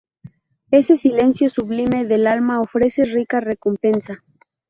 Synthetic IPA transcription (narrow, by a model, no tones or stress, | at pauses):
e̞se̞sile̞nsjo̞suβlime̞ðelalmaofɾe̞se̞rikare̞kompe̞nsa